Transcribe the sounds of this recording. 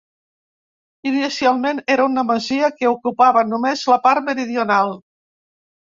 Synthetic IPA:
inisialˠmeneɾəunəməziəkəukupaβənumezləpaɾməɾiðiunalˠ

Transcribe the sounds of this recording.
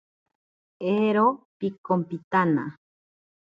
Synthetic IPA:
eɾopikompit̪ana̰

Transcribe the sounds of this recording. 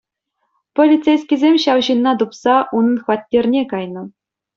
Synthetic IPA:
polʲit͡sejsʲkʲizʲemʲɕɑwʑinːɑt̪upsɑʔunɤ̆nχʋɑt̪ʲːerʲnʲekɑjnɤ̆

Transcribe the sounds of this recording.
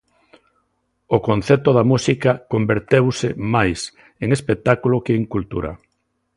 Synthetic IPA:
okonθɛt̪oðamusikakombeɾt̪ewsɪmajs | eŋespek̚t̪akulokeːŋkult̪ṵɾɐ̰

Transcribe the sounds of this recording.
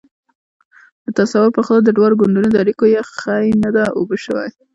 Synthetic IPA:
d̪ət̪asawʊɾpəxad̪ad̪əɖwɑɾoɡʊɳɖunod̪əaɾikojaxajnad̪aʔobəʃəwa̰j

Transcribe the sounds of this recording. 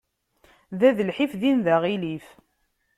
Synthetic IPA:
ðæðəlħifðinðæʁilif

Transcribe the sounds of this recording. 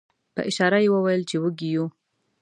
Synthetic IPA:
pə̰ʔɪʃɑɾajewəwajəlt͡ʃewəɡiju

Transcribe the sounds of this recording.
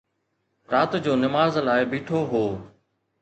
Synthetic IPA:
pɾaːt̪d͡ʑoːnɪmaːzlaːɪbiːʈʰoːɦoː

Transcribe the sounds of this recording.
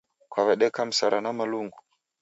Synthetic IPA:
kwavɛɗɛkam̩saɾanamaluŋɡu

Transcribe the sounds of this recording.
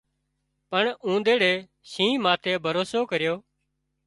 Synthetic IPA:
pəɳũːd̪eːɽeː | sĩːmaːt̪ʰeːbʱəɾoːsoːkəɾjoː

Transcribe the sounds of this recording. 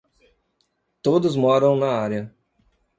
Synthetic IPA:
t̪od̪ʊzmɔɾɐ̃w̃nɐaɾjɐ

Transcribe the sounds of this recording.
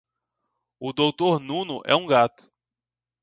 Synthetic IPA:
ʊd̪owt̪oɾnũnʊʔɛ̰ũɡat̪ʊ̥

